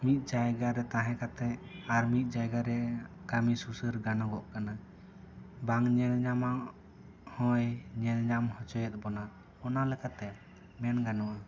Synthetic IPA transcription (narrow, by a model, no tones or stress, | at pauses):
mit̪̚ˀd͡ʒajɡaɾɛt̪aɦɛ̃kat̪ɛaɾmit̪̚ˀd͡ʒajɡaɾɛkamisusəɾɡanɔɡɔʔkana | baŋɲɛnɲamaʔ | hɔ̃jɲɛnɲamhɔt͡ʃɔjɛt̪̚ˀbɔna | ɔnalɛkat̪ɛ | mɛnɡanɔʔa